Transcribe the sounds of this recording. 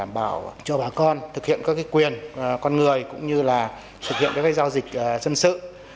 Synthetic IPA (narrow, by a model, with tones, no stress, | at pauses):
aː˧˩mɓaː˧˩wt͡ɕɔ˧ɓaː˨˩kɔ˧nt̪ʰɨ˨˩k̚hḭ˧˨ənkaː˦˥kaː˨˦jkwi˨˩ənkɔ˧nŋɨ˨˩əjkʊ̰˧˥ŋ͡mɲɨ˧laː˨˩ | t̪ʰɨ˨˩k̚hḭ˧˨ənkaː˦˥kːjzaː˧wzï˨˩k̟̚ʔzə˧nsɨ̰˧˨